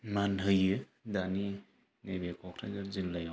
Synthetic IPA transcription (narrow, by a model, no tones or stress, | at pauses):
manɦɯjɯ | dani | nebekʰɔkʰɾazaɾzilːaja